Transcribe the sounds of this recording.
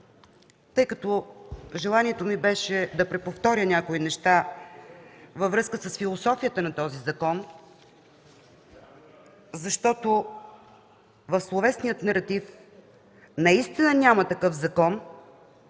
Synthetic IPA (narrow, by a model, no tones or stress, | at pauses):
t̪ɤjkɐt̪ɔʒɛlˠaniɛt̪omibɛʃɛd̪ɐpɾɛpoft̪ɔɾʲjənʲakoinɛʃt̪a | vɐvɾɤskəsəsfilˠosɔfijət̪ənɐt̪ɔzizɐkɔn | zɐʃt̪ɔt̪o | vɐfslˠovɛsnijət̪nɐɾɐt̪if | nɐist̪inənʲamət̪ɐkɤfzɐkɔn